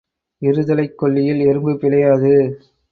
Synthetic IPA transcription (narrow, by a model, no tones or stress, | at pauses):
ɪɾɯðɐlɐɪkːɔɭːɪjɪlɛɾɯmbɯpɪlɐjaːðɯ